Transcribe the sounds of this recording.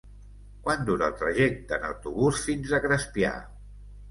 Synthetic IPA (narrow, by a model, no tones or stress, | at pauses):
kwand̪uɾəːlˠt̪ɾəʒɛk̚t̪ənə̰wt̪uβusfinzəɣɾəspia̰